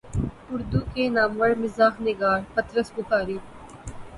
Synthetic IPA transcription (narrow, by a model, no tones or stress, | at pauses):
ʊɾd̪ukeːnaːmʋɐɽmɪzaːxnɪɡaːɾpɐt̪ɾəsbʊkaːɾiː